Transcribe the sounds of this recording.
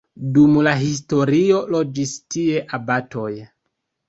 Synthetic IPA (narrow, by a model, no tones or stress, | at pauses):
dumlaɦis̬to̞ɾio̞lo̞d͡ʒistie̞ʔabato̞j